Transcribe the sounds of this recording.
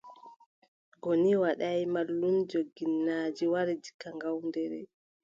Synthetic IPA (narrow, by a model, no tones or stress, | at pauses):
ɡoniwaɗajmalːumd͡ʒoɡːinːaːd͡ʒiwaɾɛd͡ʒi̥kːaŋɡawndɛɾɛ̰